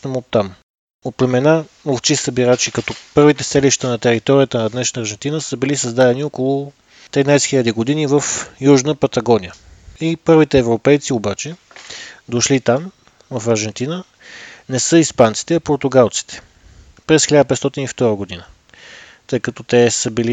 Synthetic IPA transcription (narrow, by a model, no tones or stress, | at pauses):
əmot̪ːam | ot̪plɛmɛnamolˠt͡ʃisəbiɾat͡ʃikɐt̪ɔpɤɾvit̪ɛsɛliʃt̪ənɐt̪ɛɾit̪ɔɾijət̪ənɐd̪nɛʃnəːɾʒɛnt̪inəsəbilisəzd̪ad̪ɛniokolˠʊ | t̪ɾinajsɛ̥xilʲəd̪iɡod̪inivəfjuʒnəpɐt̪ɐɡɔniəipɤɾvit̪ɛːvɾopɛjt̪siobat͡ʃɛ | d̪oʃlit̪am | vɐfɐɾʒɛnt̪inə | nɛsɤispant̪si̥t̪ɛɐpoɾt̪uɡalˠt̪si̥t̪ʰɛ̥ | pɾɛsxilʲad̪əpɛt̪t̪ɔt̪inift̪ɔɾəɡod̪inə | t̪ɤjkɐt̪ɔt̪ɛsəbili